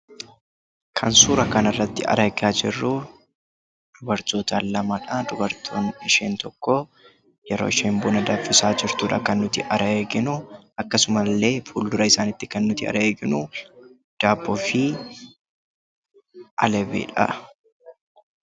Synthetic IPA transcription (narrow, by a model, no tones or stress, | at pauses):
kʰɐnsuːɾɐkɐnɐrːɐt̪ːɪɐ̰ɾɐɡaːd͡ʒɪrːu | d̪̥ʊbɐɾt̪oːt̪alːɐmɐᶑɐd̪ʊbɐɾt̪ʰo̰ːnɪʃeːnt̪ɔkːɔ | jɛɾo̰ːɪʃeːmbʊːnɐd̪aːfɪsaːd͡ʒɪɾt̪uːᶑɐ̰kɐnːʊt̪ɪ̰ʔɐɾɐeːɡɪnʊɐkːɐsʊmɐlːe̞ːfuːld̪ʊɾɐɪsaːnɪt̪ːɪ̥kɐnːʊt̪ɪɐ̰ɾɐeːɡɪnu | d̪̥aːbːɔfɪ | ʔɐlɛbḭːᶑɐ̰